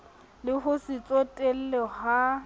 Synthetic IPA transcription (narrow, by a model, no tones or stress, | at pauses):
lɪχʊsɪt͡sʼotʼel̩lɛha